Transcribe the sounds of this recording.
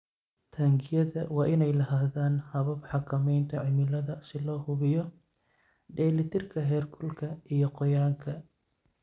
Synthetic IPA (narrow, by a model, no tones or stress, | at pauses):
t̪ʰɐːŋɡɪjɐðɐwɑːʔɪnɛjlɐɦaːðaːnhɐβɐbħɑkʰɐmɛjnt̪ʰɐʕɪmɪlɐðɐsɪlɔːhʊβɪjɔ | ɖɛːlɪt̪ʰɪrkʰɐɦɛːrkʰʊlkʰɐʔijɔqɔjaːŋkʰɐ